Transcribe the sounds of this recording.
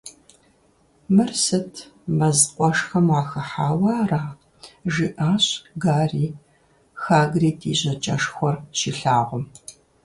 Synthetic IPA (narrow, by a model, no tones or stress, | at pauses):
mɨrsɨtʰmɐzqʷʼɔʂxɐmaːxɐħaːwɑːraː | ʒiʔaːɕɡaːriː | xaːɡriːtʰiːʑɐt͡ʃʼɐʂxʷɔrʃiːɬaːʁʷʊm